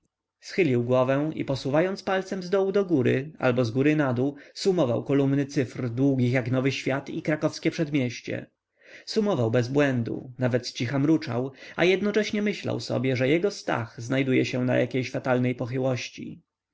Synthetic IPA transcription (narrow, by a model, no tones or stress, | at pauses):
sxɘlʲiwɡwɔvɛḭpɔsuvajɔnt̪spalt̪sɛmzd̪ɔwud̪ɔɡuɾɘ̰a̰lbɔzɡuɾɘnad̪usumɔva̰wkɔlumnɘt̪sɘfrd̪wuɡʲixjaknɔvɘɕfʲjat̪ikɾakɔfskʲɛpʂɛd̪mʲjɛɕt͡ɕɛ̰ | sumɔvawbɛzbwɛnd̪ṵnavɛt̪t͡ɕixamɾut͡ʂa̰wajɛd̪nɔt͡ʂɛɕɲɛmɘɕla̰wsɔ̰bʲjɛʐɛjɛɡɔst̪a̰xznajd̪ujɛɕɛ̃na̰jʔa̰kʲejɕfat̪alnɛjpɔxɘwɔɕt͡ɕḭ